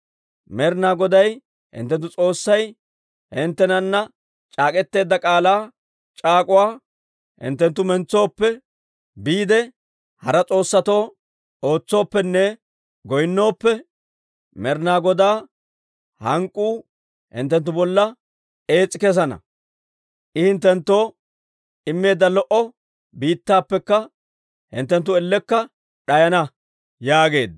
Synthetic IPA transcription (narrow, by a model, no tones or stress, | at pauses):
mɛɾnaːɡɔd̪ɐj | hɪ̰nt̪ːɛnt̪ːʊt͡sʼo̞ːsːɐj | hɪnt̪ːɛnɐnːɐ | t͡ʃʼaːkʼɛt̪ːe̞ːd̪ːɐkʼaːlaː | t͡ʃʼaːkʼʊwaː | hɪ̰nt̪ːɛnt̪ːʊmɛnt͡sːo̞ːpːɛ | biːd̪ɛ | hɐɾɐt͡sʼo̞ːsːɐt̪o̞ː | o̞ːt͡sːo̞ːpːɛnːɛ | ɡɔjnːo̞ːpːɛ | mɛɾnaːɡɔd̪aː | hɐŋkʼːuː | hɪ̰nt̪ːɛnt̪ːʊbɔlːɐ | e̞ːt͡sʼːɪkɛs̬ɐnɐ̰ | ʔɪhɪnt̪ːɛnt̪ːo̞ː | ɪmːe̞ːd̪ːɐlɔʔɔ | biːt̪ːaːpːɛkːɐ | hɪ̰nt̪ːɛnt̪̬ːʊɛlːɛkːɐ | ɗɐjɐnɐ | jaːɡe̞ːd̪